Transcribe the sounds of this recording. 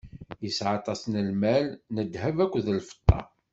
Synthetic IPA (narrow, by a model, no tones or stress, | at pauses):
jəsʕɑt̪ˤɑsnəlmælnəd̪hævækʷːðəlfə̥t̪ˤːɑ̰